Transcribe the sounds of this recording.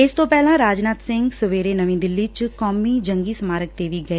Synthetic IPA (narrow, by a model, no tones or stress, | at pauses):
ɪst̪õːpɛːlãːɾaːd͡ʒnaːt̪sɪ̃ŋɡsəʋeːɾeːnəʋĩːd̪ɪlːiːt͡ʃkɔːmiːd͡ʒəŋɡiːsəmaːɾək̚t̪eːʋiːɡəeː